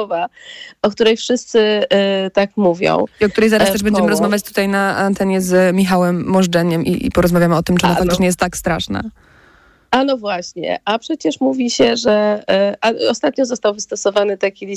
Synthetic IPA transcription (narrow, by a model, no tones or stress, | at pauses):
ɔvaɔk̚t̪uɾɛjfʂɘst̪sɘt̪akmuvʲjɔ̰̃w̃iɔk̚t̪uɾɛjzaɾast̪ɛʐbɛɲd͡ʑɛmɘɾɔzmavjat͡ɕt̪u̥t̪ajnaant̪ɛɲɛzmʲixawɛmːɔʐdɛɲɛmʔḭpɔɾɔzmavʲjamɘɔt̪ɘmt͡ʂɛɔnɔfakt̪ɨ̥tɲɛjɛst̪ːakst̪ɾaʂna̰ | anɔvwaɕɲɛ̰ʔapʂɛt͡ɕɛʂmuvʲiɕɛʐɛʔaɔst̪at̪̚ɲɔzɔst̪awvɘst̪ɔsɔvanɘt̪akʲilʲi